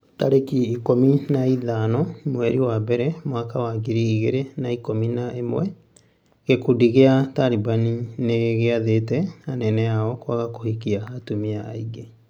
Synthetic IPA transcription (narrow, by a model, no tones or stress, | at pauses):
ta̰ɾekiːkominaiðanɔmwɛɾiwabɛɾɛmowakawaɡiɾiːɣeɾenaikominaʔemwɛ | ɣekudiɣeatalibanineɣeaðetɛanɛnɛaɔkwaɣakohikiaːtumiaːiɡe